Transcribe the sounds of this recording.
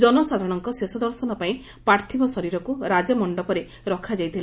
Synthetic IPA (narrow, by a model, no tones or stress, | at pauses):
d͡ʒɔnɔsad̪ʱɔɽ̃ɔŋkɔsesɔd̪ɔɾsɔnɔpaĩ | paɾt̪ʰibɔsɔɾiɾɔkuɾad͡ʒɔmɔɳɖɔpɔɾe | ɾɔkʰad͡ʒajt̪ʰila